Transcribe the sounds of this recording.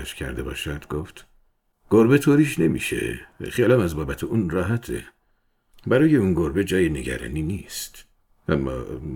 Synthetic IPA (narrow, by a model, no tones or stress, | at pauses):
æʃcʰæ̰ɾd̪e̞bɒ̰ːʃænd̪ɡoft̪ | ɡ̥oɾbet̪ʰoːɾiːʃne̞mḭːʃḛχelæmæzbɒːbæt̪ʰeunɾɒːɦæt̪ʰḛ | bæɾɒːje̞unɡoɾbe̞d͡ʒɒːjene̞ɟæ̰ɾɒ̰ːniːniːst̪ | ʔæmːɒ̰ː